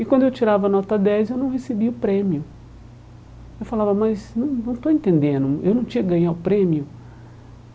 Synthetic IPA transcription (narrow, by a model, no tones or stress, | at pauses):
ɪkwɐ̃nd̪ʊewt͡ʃiɾavɐnɔt̪ɐd̪ɛzewnɐ̃w̃ɦesebiʊpɾẽmiʊ | ewfalavɐmɐznɐ̃w̃nɐ̃w̃t̪oẽnt̪ẽnd̪ẽnʊewnɐ̃w̃t͡ʃĩɲɐɡɐ̃ɲaʊpɾẽmiʊ